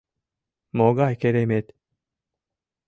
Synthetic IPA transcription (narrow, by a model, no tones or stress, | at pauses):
moɡaikeɾemet̪